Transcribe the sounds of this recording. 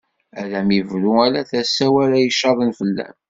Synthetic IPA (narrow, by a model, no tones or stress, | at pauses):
ælæmivluælæθæsːæwæɾæjəʃːɑðˤənfəlːæ̰m